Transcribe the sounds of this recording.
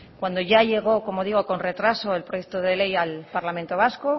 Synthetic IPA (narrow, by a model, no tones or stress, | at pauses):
kwand̪o̞ʝaʝe̞ɣ̞o̞ko̞mo̞ðiɣ̞o̞ko̞nre̞t̪ɾaso̞e̞lpɾoje̞kt̪oð̞e̞le̞jalpaɾlamẽnt̪o̞β̞asko